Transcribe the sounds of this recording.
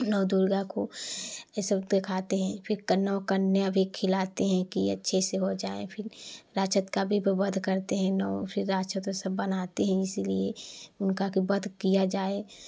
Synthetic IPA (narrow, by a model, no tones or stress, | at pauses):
nɔːd̪uːɾɡako | səd̪ekʰaːt̪eɦɛ̃pʰɪɾkənəːkənːeəbʱikʰɪlaːt̪eɦɛ̃kiɐ̰tːʃʰeseɦod͡ʒaːḛpʰɪɾɾaːt͡ʃət̪kabʱibbɐd̪ʱkəɾt̪eɦɛ̃nɔpʰɪɾːaːt͡ʃət̪osəbːɐnaːt̪eɦɛ̃ɪsilieʊnkakibɐd̪ʱkijad͡ʒaːe